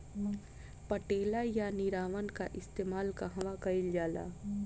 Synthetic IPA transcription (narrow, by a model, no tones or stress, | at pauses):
pəʈeːlajanɪɾaːʋənka̰ʔɪst̪eːmaːlkaɦɐʋakɐɪld͡ʒaːla̰ː